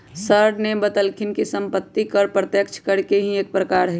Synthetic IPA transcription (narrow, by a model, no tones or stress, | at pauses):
səɾɖnebət̪əlkʰɪnkisəmpət̪ːikəɾpɾət̪jəkt͡ʃʰkəɾkeɦĩeːk̚pɾəkaːɾɦɛ